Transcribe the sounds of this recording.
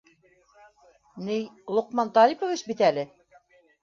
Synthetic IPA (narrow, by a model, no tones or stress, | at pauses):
nijlˠŏqmɑnt̪ɑɾipŏvɘsbit̪ælɘ